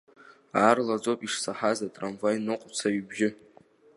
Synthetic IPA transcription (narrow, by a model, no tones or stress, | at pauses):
aːrlad͡zopʼiʂsaħazatʼramvajnɨqʷʼt͡sʰaɥbʒɪ